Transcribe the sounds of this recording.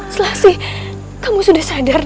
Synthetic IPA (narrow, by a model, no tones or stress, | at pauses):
səlahsɪh | kamusudahsadar